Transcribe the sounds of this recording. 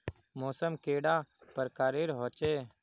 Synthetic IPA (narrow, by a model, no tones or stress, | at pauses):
moːsəmkeːɽaːpəɾkaːɾeːɾɦoːt͡ʃeː